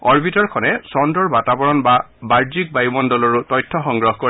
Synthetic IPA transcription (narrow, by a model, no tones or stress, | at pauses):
ɔɹbitɔɹkʰɔnɛsɔndɔɹbatabɔɹɔnbabaɹd͡ʒik̚bajmɔndɔlɔɹutɔjtʰːɔxɔŋɡɹɔɦkɔ